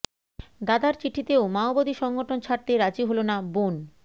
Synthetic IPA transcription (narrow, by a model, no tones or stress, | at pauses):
d̪ad̪aɾt͡ɕiʈʰit̪eomaobod̪iʃɔŋɡoʈʰont͡ɕʰaɾ̚t̪eɾad͡ʑiɦolonabon